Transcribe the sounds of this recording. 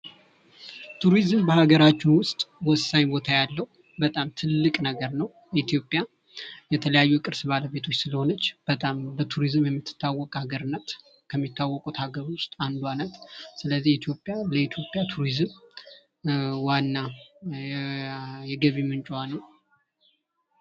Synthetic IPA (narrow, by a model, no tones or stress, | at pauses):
t̪ʰuɾizmbəhaɡəɾat͡ʃːunwʊst̪ʼwɔsːaɲbo̞t̪ʰajalːəhu | bət̪ʼamt̪ʰɨlːɨkʼnəɡəɾnəw | jit̪jo̞pʼja | jɛt̪ʰələjajːukʼɨɾsbaləβe̞t̪ʰo̞t͡ʃːsɨləho̞nət͡ʃːb̥ət̪ʼambət̪ʰuɾizmjɛmːɨt̪ʰːɨ̥t̪ʰːawːɔkʼhaɡəɾɨnːət̪ | kʰəmːit̪ːawːɔkʼut̪haɡəɾwʊst̪ʼand̪wanət̪sɨləzːihit̪ʰjo̞pʼjaləit̪ʰjo̞pʼjat̪ʰuɾizɨm | wanːa | jɛɡəβimɨnt͡ʃʼwanəw